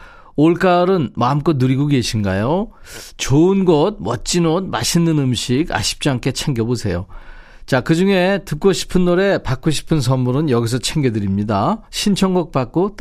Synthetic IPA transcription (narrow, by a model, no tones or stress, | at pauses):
oɭk͈aɾɯnmamk͈ʌt̚nuɾiɡoɡeɕʰinɡa̰jo | t͡ɕoɯnɡʌd̚mʌt̚t͡ɕ͈inod̚maɕʰinːɯnɯmɕʰiɡa̰ɕʰi̥p̚t͡ɕ͈iɦamkʰe̞t͡ɕʰeŋɡjʌbosʰe̞jo | t͡ɕakɯd͡ʑuŋe̞tɯk͈oɕʰi̥pʰɯnːoɾe̞pak͈oɕʰi̥pʰɯns̬ʰʌnːuɾɯnjʌɡis̬ʰʌt͡ɕʰe̞ŋɡedɯɾimɲidaɕʰint͡ɕʰʌŋɡʌk̚p͈ak͈ot